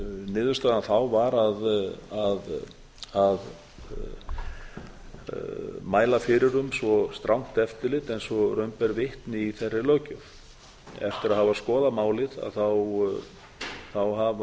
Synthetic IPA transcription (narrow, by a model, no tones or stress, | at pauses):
nɪːðʏst̪aːðanθawvaɾaðað | að | maːjlafɪɾɪɾʏmsvɔst̪ɾʔawŋ̥t̪ɛft̪ɪlɪt̪ɛnsvɔrœɥmpɛɾvɪht̪nɪiθɛrːɪlœːcʏf | ɛ̰ft̪ɪɾaðhavaskɔːðamaːwlɪða̰ðθaw | θawɦava